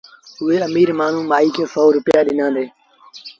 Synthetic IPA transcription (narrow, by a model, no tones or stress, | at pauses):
ʊɦeːəmiːɾmaːn̤ũːmaːiːkʰeːsoːɾʊpɪjaːɗɪnãːd̪eː